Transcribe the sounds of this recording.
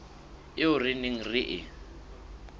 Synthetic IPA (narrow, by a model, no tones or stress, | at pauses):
ɪʊrɪnɪŋ̩rɪʔɪ